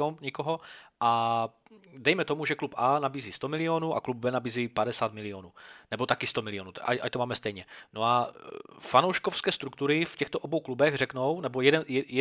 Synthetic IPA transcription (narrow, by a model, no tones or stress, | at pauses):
omɲɛkoɦoʔa | dɛjmɛt̪omuʒɛklupʔanabiːziːst̪omɪlɪoːnuʔa̰klub̚bɛnabiːziːpadɛsaːt̪mɪlɪonuːnɛbot̪akɪst̪omɪlɪonut̪ʔa̰ʔa̰ct̪omaːmɛst̪ɛjɲɛnoa | fanowʃkofskɛːst̪ɾukt̪uɾɪfcɛxt̪oʔobowklubɛɣrɛknownɛbojɛdɛnjɛjɛ